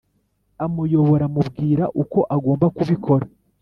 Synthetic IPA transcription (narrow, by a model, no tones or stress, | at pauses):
amujo̞βo̞ɾamubɡiːɾaʔuko̞ʔaɡoːmbakuβikʰo̞ɾa